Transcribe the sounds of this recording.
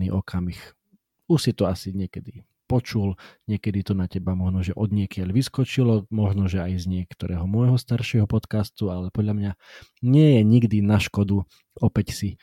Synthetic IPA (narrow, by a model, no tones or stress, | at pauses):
niːʔɔkʰamix | uʃsit̪ɔasiɲɪɛkɛd̪i | pɔt͡ʃulɲɪɛkɛd̪it̪ɔnacɛbamɔʒnɔʒɛʔɔd̪ɲɪɛkɪaʎʋiskɔt͡ʃilɔmɔʒnɔʒɛajzɲɪɛkt̪ɔɾɛ̰ːɦɔmɔjɦɔst̪aɾʃɪɛɦɔpɔt̪kast̪ualɛpɔd̪ʎamɲaɲɪɛjɛɲiɡd̪inaʃkɔd̪u | ɔpɛcsi